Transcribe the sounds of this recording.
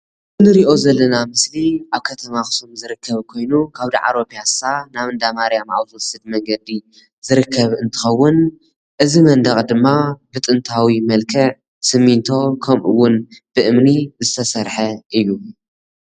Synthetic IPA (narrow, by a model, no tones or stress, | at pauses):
ɨnɨɾiʔo̞zɐlːɐnamɨsliʔaβkʰɐt̪ʰɐmaxɨ̥somzɨɾɨkːɐβkʰo̞jnukʰaβd̪ḭʕa̰ɾo̞pʰijasanaβɨnd̪amaɾjamʔa̰wzuwsɨd̪̚mɐŋɡɐd̪i | z̥ɨɾɨkʰːɐβɨnt̪ʰɨ̥xɐwːʊn | ʔɨzimɐnd̪ɐχʼd̪ɨmːabɨt̪ʼɨnt̪ʰawimɐlkʰɐʕ | sɨmːint̪ʰo̞kʰɐmʔɨ̰wːʊnb̥ɨʔɨmnizɨt̪ʰɐsɐɾħɐʔɨjːu